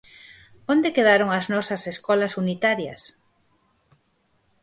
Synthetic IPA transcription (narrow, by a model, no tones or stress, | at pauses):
ond̪ekeðaɾoŋɐznɔsɐseskɔlɐsunit̪aɾjɐ̰s